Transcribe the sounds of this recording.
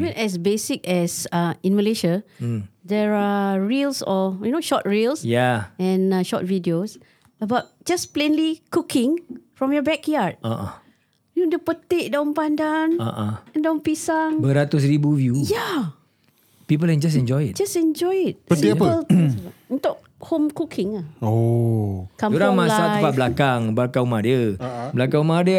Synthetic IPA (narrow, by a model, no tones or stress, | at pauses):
ivə̃nɛs̬besikɛsaĩnməleʃa | dɛɹaɹilsɔjunoʃɔt̚ɹilsjaɛ̃naʃɔ̰t̚vidios | əbaʊt̚d͡ʒasplẽnlikukʰɪ̃ŋfɹɔ̃mjɔbɛkjad̚a | jundupət̪eʔ̚dãʊ̃npãndãna̰ʔɛ̃ndãmpisaŋbəɾat̪us̬ɾibuvjuja | pip̬əlɛ̃nd͡ʒas̬ɛ̃nd͡ʒɔjt̚d͡ʒasɛ̃nd͡ʒɔjt̚əəltũnt̪ʊʔ̚ | hõmkukʰɪ̃ŋao | kãmuɾaŋmalsapablakaŋbakãumadəblakãumadə